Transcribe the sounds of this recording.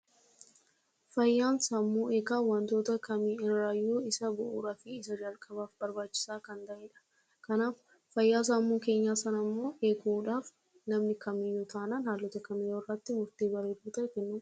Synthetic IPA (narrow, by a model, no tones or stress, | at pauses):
fɐjːaːnsɐmːuːeːkaːwɐnt̪o̞ːt̪ɐkɐmiɪɾɾaːjːoːɪsɐbʊʔṵːɾɐfɪɪsɐd͡ʒɐlkʼɐbaːfbɐɾbaːt͡ʃːɪ̥saːkɐnt̪ɐʔeːᶑɐ̥ | kɐnaːf | fɐjːaːs̬amːuːke̞ːɲːaːsɐnɐmːo̞ːʔeːkuᶑaːf | nɐmnɪkɐmɪjut̪ʰaːnanhaːlːɔt̪ɐkɐmɪjoɪrːɐt̪ːɪmʊɾt̪eːbɐɾeːbuːt̪ɐkɛnːʊ